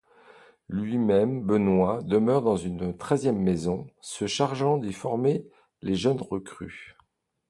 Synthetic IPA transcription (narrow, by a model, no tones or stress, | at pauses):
lɥimɛmbənwad̪əmœʁd̪ɑ̃zynt̪χɛzjɛmːezɔ̃səʃaʁʒɑ̃d̪efɔʁme | leʒənʁəkχy̰